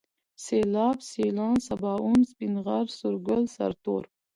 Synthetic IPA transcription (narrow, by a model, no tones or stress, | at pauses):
selɑːbselɑːnsabɑːunspinʁaɾsʊɾɡəlsa̰ɾt̪o̰ːɾ